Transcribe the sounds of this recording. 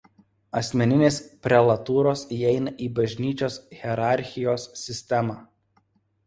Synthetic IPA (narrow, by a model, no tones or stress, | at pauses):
ɐsʲmʲɛnʲɪnʲeːspʲɾʲɛlˠɐt̪uːɾoːsiːɛɪnɐʔiːbɐʒʲnʲiːt͡ʃʲoːsɣʲɛɾɑˑɾʲxʲɪjoːsːʲɪsʲt̪ʲɛmɑː